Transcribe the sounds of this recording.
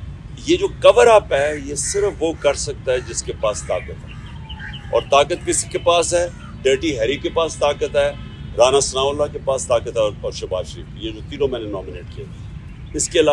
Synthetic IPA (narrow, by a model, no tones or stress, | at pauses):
jeːd͡ʒoːkɐʋəɾaːpɦɛjesɪɾəfʋokɐɾsɐk̚t̪aɦɛd͡ʒɪskepaːst̪aːkət̪ɦɛː | ɔ̰ːɾt̪aːkət̪̚kɪsi̥kepaːsɦɛː | ɖeːʈiɦɛɾikepaːst̪aːkət̪ɦɛː | ɾaːnasɐnaːʊlːakepaːst̪aːkət̪ɦɛɔːɾɔːɾʃɐba̰ːʃəɾḭːfjed͡ʒoːt̪iːnõmɛ̃ːnenɔ̃ːmɪneːʈ̚kie | ɪskeɪlaː